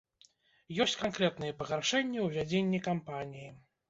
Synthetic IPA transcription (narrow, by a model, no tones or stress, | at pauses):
jɔsʲt͡sʲkankɾɛt̪nɨjɛpɐɣarʂɛnʲːɐwvʲad͡zʲenʲːikampanʲiji